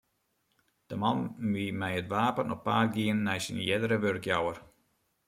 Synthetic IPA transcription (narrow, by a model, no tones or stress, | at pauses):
d̥əmɑnmimɛjətʋaːpənʔɔxpaːrɡiənːɛjsḭnjɪdəɾəʋørkjawər